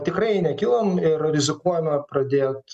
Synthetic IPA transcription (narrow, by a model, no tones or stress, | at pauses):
t̪ʲɪkɾɐɪnʲɛkʲɪlˠɐmɪrɾʲɪzʲɪkuɔjɛmʲɛpɾɐd̪ʲeːt̪